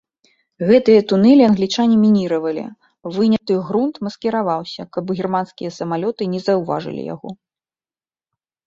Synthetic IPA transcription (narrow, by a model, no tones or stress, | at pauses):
ɣɛt̪ɨjɐt̪unɛlʲiɐnɣlʲit͡ʂanʲimʲinʲiɾɐvɐlʲḭ | vɨnʲɐt̪ɨɣɾunt̪mɐskʲɛɾavawsʲɐkɐbɣʲirmanskʲijɐsɐmalʲɔt̪ɨnʲɛzɐwva̰ʐɨ̰lʲḭja̰ɣɔ̰